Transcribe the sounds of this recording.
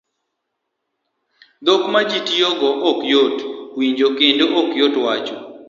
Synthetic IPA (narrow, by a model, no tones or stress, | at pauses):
d̪okmad͡ʒitijɔɡɔʔɔkjotwiɲd͡ʒokɪndoʔɔkjotwat͡ʃɔ